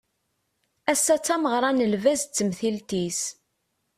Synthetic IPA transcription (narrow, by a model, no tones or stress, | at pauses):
æsːæt͡sːæməʁɾˤɑnəlvæzt͡sːəmθilt̪is